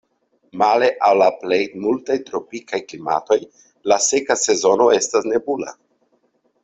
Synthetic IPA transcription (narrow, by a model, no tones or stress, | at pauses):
male̞ʔawlaplejmultajtɾo̞pikajklima̰to̞j | lase̞kase̞zo̞no̞e̞stasne̞bula̰